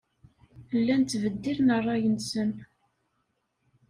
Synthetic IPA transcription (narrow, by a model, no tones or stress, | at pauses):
lːænt̪ːvəd̪ːiɾnərˤːɑjənsən